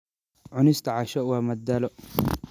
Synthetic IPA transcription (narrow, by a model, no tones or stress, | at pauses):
ʕʊnɪst̪ʰɐʕɑʃɔwɑːmɐd̪ɐlɔ